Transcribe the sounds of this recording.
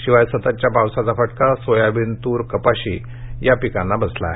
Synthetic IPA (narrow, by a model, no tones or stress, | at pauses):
ɕiʋajsət̪at͡ɕjapawsat͡safəʈkasojabint̪uːɾkəpaɕi | japikanːabəsla̰